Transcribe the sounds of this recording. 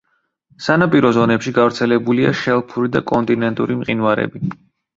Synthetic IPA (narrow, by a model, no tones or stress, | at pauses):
sanapʼiɾɔzɔnɛpʃiɡavɾt̪sʰɛlɛbulia̰ʃɛlˠpʰuɾid̪a̰kʼɔnt̪ʼinɛnt̪ʼṵɾimqʼinvaɾɛ̰bi